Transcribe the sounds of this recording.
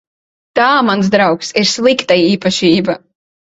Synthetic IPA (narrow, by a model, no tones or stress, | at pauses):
t̪aːmansd̪ɾawksiɾslˠikt̪aiːpaʃiːba